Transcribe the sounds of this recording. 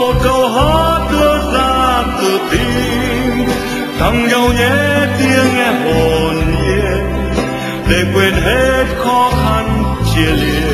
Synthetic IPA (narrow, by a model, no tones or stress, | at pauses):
mot̚kəwɦɔɗɨəzaːt̪ɨt̪i | t̪ʰawŋ͡mɲəwɲɛt̪iəŋːɛʔonʔit̚ | ɗekwenɦet̚xɔxant͡ɕiən